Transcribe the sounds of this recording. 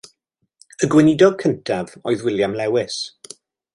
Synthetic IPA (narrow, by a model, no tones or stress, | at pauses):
əɡwɪnɪdɔɡ̚kʰəntʰavɔjðwɪljamlɛwɪs